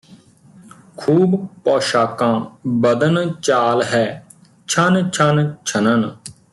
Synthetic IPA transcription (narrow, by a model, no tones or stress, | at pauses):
kʰuːbpɔːʃaːkãːbəd̪ənt͡ʃaːlɦɛː | t͡ʃʰənt͡ʃʰənt͡ʃʰənən